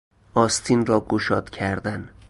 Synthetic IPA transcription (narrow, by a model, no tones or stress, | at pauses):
ʔɒːst̪ʰinrɒːɡoʃɒːd̪̥cʰæɾd̪æn